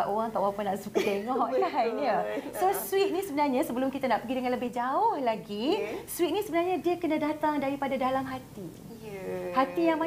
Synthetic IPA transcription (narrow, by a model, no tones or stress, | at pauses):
aʔoɣaŋt̪aʔoɣaŋpanaʔsukət̪eŋɔʔlaɦinəsoswɪt̪̚nĩsəbənarɲasəbəlʊmkit̪anaʔpəɡidəŋãnləbɪhd͡ʒaʊhlaɡiswit̪̚nĩsəbənarɲadiəkənadat̪aŋdaɾipadadalamɦat̪i | hat̪ijaŋmã